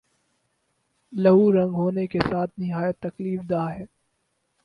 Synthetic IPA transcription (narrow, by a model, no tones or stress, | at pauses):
lɐɦuɾɐ̃ŋɡɦoːnekesaːt̪ʰnɪɦaːjət̪ːɐkliːfd̪aːɦɛː